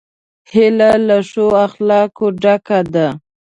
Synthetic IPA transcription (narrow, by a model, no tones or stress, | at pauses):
hɪlalaʂoaxlɑkoɖakad̪a